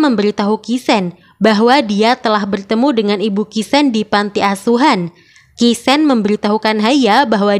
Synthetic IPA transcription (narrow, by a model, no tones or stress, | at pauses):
məmbəɾit̪aɦukisɛn | baɦwadiat̪əlahbərt̪əmudəŋanibukisɛndipant̪iasuɦan | kisɛnməmbəɾit̪aɦukanɦajabaɦwa